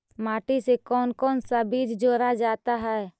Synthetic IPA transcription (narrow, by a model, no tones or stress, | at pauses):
maːʈisekɔːnkɔːnsabiːd͡ʒd͡ʒoːɾad͡ʒaːt̪aɦɛː